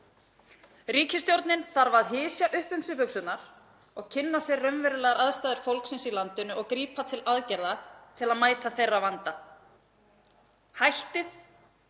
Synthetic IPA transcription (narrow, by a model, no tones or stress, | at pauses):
riːcɪst̪jowɾt̪nɪnθaɾvaðɦɪːsjaʔʏhpʏmsɪpʏksʏt̪naɾ̥ | ɔɣcʰɪnːasjɛrœmvɛɾʏlɛːɣaɾaðst̪aːðɪɾ̥fowlksɪnsilant̪ʏnʏɔɣkɾiːpat̪ʰɪlaðcɛɾðat̪ʰɪlaðmaːjt̪aθejrːavant̪a | hajht̪ɪθ